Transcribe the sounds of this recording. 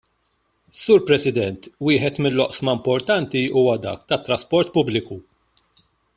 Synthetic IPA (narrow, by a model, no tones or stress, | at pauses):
suːɾpɾɛsɪd̪ɛnt̪wɪːħɛt̪mɪlːɔʔsmɐmpɔɾt̪ɐnt̪iuːwɐd̪ɐ̰ːkt̪ɐt̪ːɾɐspɔɾt̪pʊblɪku